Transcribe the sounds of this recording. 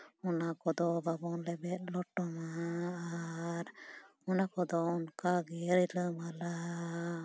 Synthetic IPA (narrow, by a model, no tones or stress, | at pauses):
ɔnakɔd̪ɔbabɔnlɛbɛt̪̚ˀlɔʈɔmaː | ɾ | ɔnakɔd̪ɔɔnkaɡɛɾiləmala